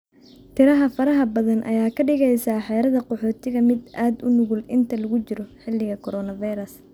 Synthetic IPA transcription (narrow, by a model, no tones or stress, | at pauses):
t̪ʰɪɾɐɦɐfɐɾɐɦɐbɐðɐnʔɐ̰jaːkʰɐɖɪɣɛjsaːħɛːɾɐðɐqɔħɔːt̪ʰɪɣɐmɪd̪ʔaːd̪ʊnʊɣʊlɪ̰nt̪ʰɐlɐɣʊt͡ʃɪɾɔħɪlːɪɣɐkʰɔɾɔːnɐvajɾɐs